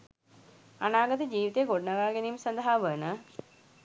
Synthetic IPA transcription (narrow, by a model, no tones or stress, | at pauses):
ɐnaːɡɐd̪ɐd͡ʑiːʋit̪eɡoɽnɐɡaːɡenijumsɐnd̪ɐɦaːʋəːnɐ